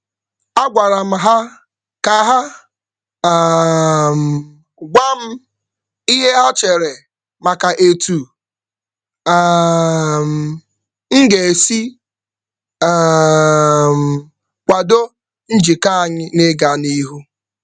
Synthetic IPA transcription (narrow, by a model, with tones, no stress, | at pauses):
a˦ɡʷa˨ɾa˨m̩˨ɦa˦ | ka˨˦ɦa˦˨ | m̩˨ | ɡʷa˦m̩˦ | i˦ɦe˦ɔ˦t͡ʃe˨ɾe˨ | ma˨ka˨ʔe˨tu˨˦˨ | m̩˨ | ŋ̩˦ɡe˨e˨si˦˨ | m̩˨ | kʷa˨do˦ | n̩˦d͡ʒi˨ka˦a˨ɲɪ˦ne˦ɡa˨ni˦ɦu˦